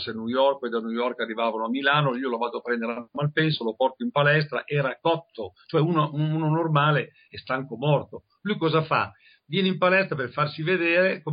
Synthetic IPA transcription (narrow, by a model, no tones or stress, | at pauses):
senujɔrk̚ed̪anujɔrkarːivaːvanoamːilaːnoiːolovaːd̪oapɾɛnd̪eɾamalpɛnsolopɔrt̪oimpalɛst̪ɾa̰ʔɛːɾakɔt̪ʰːot͡ʃoɛunounonormaːle | ɛst̪aŋkomɔrt̪o | lujkɔːzafa̰ | vjɛːneimpalɛst̪ɾaperfarsived̪eːɾeko